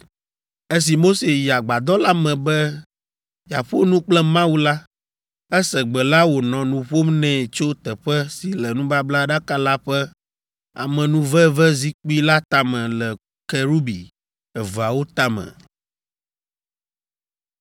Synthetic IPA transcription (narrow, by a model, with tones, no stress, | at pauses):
e˦s̬i˨mo˦se˨ja˨ɡ͡ba˨d̪ɔ˦la˦mɛ̃˨bɛ˦ | ja˨ɸo˦nũ˦k͡plɛ˦mã˦wu˦la˦ | ɛ˦sɛ˨ɡ͡bɛ˨la˦wo˨nɔ̃˨nũ˨ɸo˦mnɛ̃˨t͡ʃo˦t̪ɛ˨ɸɛ˦si˨lɛ˨nũ˦ba˦bla˦ɖa˦ka˦la˦ɸɛ˦ | a̰˨mɛ̃˨nũ˦vɛ˦vɛ˦zi˦k͡pu˦i˦la˦t̪a˨mɛ̃˨lɛ˨ | kɛ˨ɾu˦bi˨ | ɛ˨vo˨a˨wo˦t̪a˦mɛ̰̃˨